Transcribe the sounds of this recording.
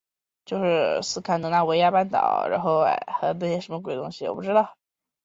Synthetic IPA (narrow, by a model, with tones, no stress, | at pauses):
t͡ɕjo˥˧ʊʂɻ̩˥˩sɹ̩˥˩kʰa˥˩nɤ˧˥ŋna˥˩we˧˥ɪja˥˧pa˥˩nt̪ɑ̰˨˩˦ʊɻa̰˧˥nxo˥˩ʊa̰˧˩ɪxɤ˧˥na˥˧˩ɕjɛ˥ʂə˧˥mə˧k̬we˨˩ɪt̪ʊ˥ŋɕi˧˩wɔ̰˨˩pu˥˩ʈ͡ʂɻ̩˥ɑ˥˩ʊ